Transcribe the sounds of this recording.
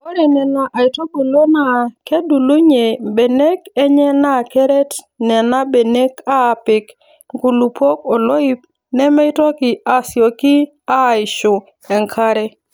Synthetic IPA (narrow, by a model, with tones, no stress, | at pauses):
o˦ɾɛ˨nɛ˨na˨ʔa˨ɪ˨tɔ˦bo˨lo˦na˦˨ke˦du˨lu˦ɲe˨be˨ne˦kɛ˦ɲɛ˦na˦˨kɛ˦ɾɛ˦t | nɛ˨na˦be˨ne˦ka˦˨pɪ˨k | ɡu˨lu˨po˦kɔ˨lɔ˦i˦p̚ | nɛ˦mɛ˦ɪ˦tɔ˦kɪ˨a˨sjɔ˨kɪ˦ | a˦˨ɪ˨ʃʊ˨ | ɛ˨ŋkʰa˦ɾɛ˦